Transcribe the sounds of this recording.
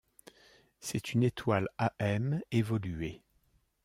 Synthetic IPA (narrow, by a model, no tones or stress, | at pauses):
sɛt̪ynet̪walaʔɛmevɔle